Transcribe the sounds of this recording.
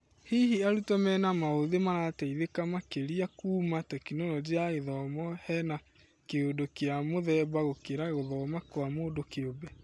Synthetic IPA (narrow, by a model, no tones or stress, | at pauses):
hiɦiaɾutɔmɛnamaoðemaɾatɛiðekamakeɾiakuːmatɛkinɔlɔd͡ʒiaɣeðɔmɔhɛna | keodokeamoðɛːbaɣokeɾaɣoðɔːmakwamoːdokeobɛ